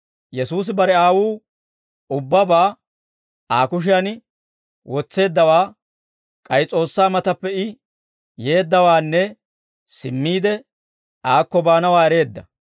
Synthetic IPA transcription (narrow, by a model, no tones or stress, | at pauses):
jɛsuːs̬ɪbɐɾɛaːwuː | ʊbːɐbaː | aːkʊʃ̬ɪɐn | wʔɔt͡sːe̞ːd̪ːɐwaː | kʼɐjt͡sʼo̞ːsːaːmɐt̪ɐpːɛɪ | je̞ːd̪ːɐwaːnːɛ | sɪmːiːd̪ɛ | ʔaːkːɔbaːnɐwaːɛɾe̞ːd̪ːɐ̰